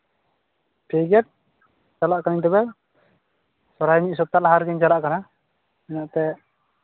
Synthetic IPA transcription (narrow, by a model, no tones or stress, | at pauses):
pʰiɡɛt̪̚ | t͡ʃalaʔkaniŋt̪ɛbɛ | sɔɾajmiʔsɔt̪alaɦaɾɡɛɲd͡ʒalaʔkana | ɛnaʔt̪ɛʔ